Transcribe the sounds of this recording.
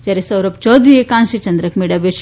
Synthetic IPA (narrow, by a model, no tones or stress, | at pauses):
t͡ʃɐɾisɐwɾɐp̚t͡ʃoːd̪iekaːnʃit͡ʃɐnd̪ɾɐkmiɽɐbeʃ